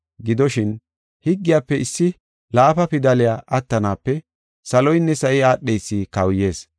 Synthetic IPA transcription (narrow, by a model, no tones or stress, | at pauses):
ɡɪd̪ɔʃɪn | hɪɡːɪjaːpːɛɪsːɪ | laːfɐpɪd̪ɐlɪjaːʔɐt̪ːɐnaːpːɛ | sɐlɔjnːɛsɐʔɪaːɗːejsːiːkɐwje̞ːs